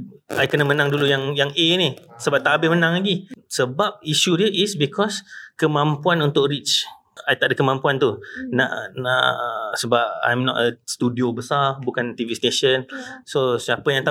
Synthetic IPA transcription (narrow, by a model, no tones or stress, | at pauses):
ajkənəmə̃naŋdulujaŋjaŋʔenisəbap̚t̪abɪmənãŋlaɡisəbap̚iʃudəʔisbikʰɔskəmãmpuanunt̪ʊkɾit͡ʃ | ajt̪aʔdəkəmãmpuant̪una̰ʔna̰ʔsəbap̚a̰jmnɔ̰təst̪udiobəsarbukant̪ivist̪eʃənsosiapəjaŋt̪a